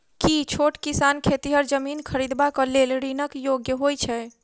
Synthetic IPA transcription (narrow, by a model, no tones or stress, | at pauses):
kit͡ʃʰoʈkisankʰet̪iɦəɾd͡ʒəminkʰəɾid̪bakɔlelɾinəkjoɡjəɦojt͡ʃʰɛ